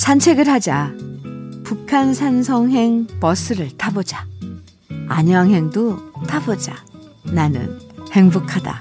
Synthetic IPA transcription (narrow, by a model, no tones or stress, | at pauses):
sʰant͡ɕʰe̞ɡɯɭhad͡ʑa | pukʰansʰansʰʌŋɦe̞ŋpʌs͈ʰɯɾɯɭtʰabod͡ʑa | a̰ɲʌaŋɦe̞ŋdotʰabod͡ʑananɯ̰nhe̞ŋbokʰada̰